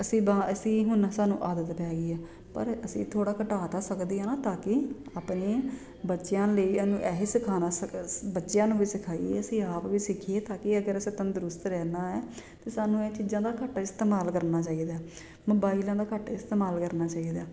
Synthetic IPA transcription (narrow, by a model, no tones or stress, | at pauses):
əsĩːbãːəsĩːɦʊnsaːnṵ̃ːʔaːd̪ət̪pɛːɡiːɛː | pə̰ɾəsḭ̃ːt̪ʰoːɽaːkəʈaːt̪aːsəkd̪eːaːnaːt̪ãːkɪaːpneː | bətːʃɪjãːləiːənũːʔɛːɦeːsɪkʰaːnaːəbətːʃjãːnũːbiːsɪkʰaːḭeːəsĩːaːpʋiːsɪkʰieːt̪ãːkɪəɡəɾəsẽːt̪ə̃ːnd̪ʊɾʊst̪ɾɛːnaːɛːt̪eːsaːnũːeːt͡ʃiːzãːd̪aːkəʈːaːɪst̪eːmaːlkəɾnaːt͡ʃaːiːd̪aː | moːbaːilãːd̪aːkəʈːaɪst̪eːmaːlkəɾnaːt͡ʃaːiːd̪aː